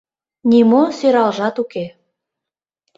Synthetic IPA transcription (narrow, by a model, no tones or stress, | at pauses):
nʲimosøɾɑlʒɑt̪uke